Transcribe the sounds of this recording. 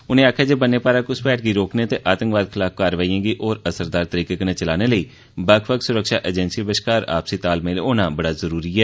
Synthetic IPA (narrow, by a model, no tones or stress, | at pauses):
ʊnẽːaːkʰjaːd͡ʒeːbənːeːpaːɾaːkʊspɛːʈ̚ɡiːɾoːkneːt̪eːʔaːt̪ə̃ŋkʋaːd̪̚kʰəlaːk̚kaːɾʋaːiãːɡiːʔɔːɾəsəɾd̪aːɾt̪əɾiːkekːnẽːt͡ʃəlaːneːləiː | bəkʰʋəksʊɾəkʃaːʔəd͡ʒɛnsiːbəʃkaːɾa̰ːpsiːt̪aːlmẽːlːoːnãːbəɽaːzəɾuːɾiːɛː